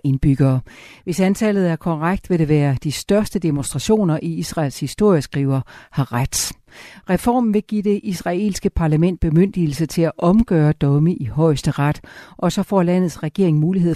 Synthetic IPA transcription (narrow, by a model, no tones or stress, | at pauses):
e̝nb̥yɡ̥ɐːʋe̝sænt͡sʰɛlð̩ˠæɐkʰɒʁaɡ̥̚d̥ʋe̝ɾe̝ʋæːɐd̥isd̥ɶɐsd̥əd̥emonsd̥ʁɑ̈ɕo̝̰ːnɐʔiisʁɑ̰̈ːlshisd̥o̝ɐ̰jəsɡ̥ʁiːʊɐhɑ̈ʁad̥ | ʁɛfɒ̰ːmn̩ʋe̝ɡ̥ḭːd̥e̝ʔisʁɑ̈e̝̰ːlsɡ̥əpʰɑ̈ːlæmen̰d̥̚b̥e̝møn̰d̥il̩sət͡sʰe̝læʔɒ̽mɡ̥œːɐd̥ɒ̽məʔihɒ̽ɪsd̥əʁɑd̥ʔɒ̽sɒ̽fɒ̰ːlæn̰ð̞̩ˠsʁɛɡ̥e̝ɐe̝ŋmuːliɦe̝ð̰ˠ